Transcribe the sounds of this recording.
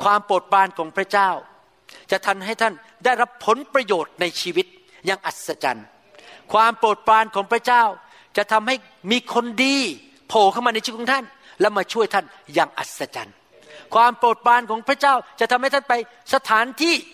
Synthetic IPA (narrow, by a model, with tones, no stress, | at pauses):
kʰwaː˧mpɾoː˨˩t̪̚pɾaː˧nkʰɔː˩˦ŋpʰɾa˦˥˩t͡ɕaː˥˩w | t͡ɕa˨˩ʔt̪ʰa˧mɦa˥˩jt̪ʰa˥˩n | daː˥˩jɾa˦˥pʰːo˨˩˦npɾa˧joː˨˩t̪̚na˧jt͡ɕʰiː˧wi˦˥t̪̚ | jaː˧˩ŋʔa˨˩t̪̚sa˧t͡ɕa̰˧n | kʰwaː˧mpɾoː˨˩t̪̚pɾaː˧nkʰɔː˩˦ŋpʰɾa˥˩t͡ɕaː˥˩w | t͡ɕa˨˩t̪ʰa˧mha˥˩j | miː˧kʰo˧ndiː˧ | pʰoː˨˩kʰa˥˩wmaː˧n˧jt͡ɕʰːkʰːɔː˨˦t̪a˥˩n | lɛ˦˥maː˧t͡ɕʰu˥˩əjt̪ʰa˥˩n | jaː˧ŋʔa̰˨˩t̪̚sa˧t͡ɕa̰˨˧n | kʰwaː˧mpɾoː˨˩t̪̚paː˧nkʰɔː˩˦ŋpʰɾa˥˩t͡ɕaː˥˩wt͡ɕa˨˩ʔt̪a˧mha˥˩jt̪ʰnpa˧j | sa˧t̪ʰaː˨˦nt̪ʰiː˥˩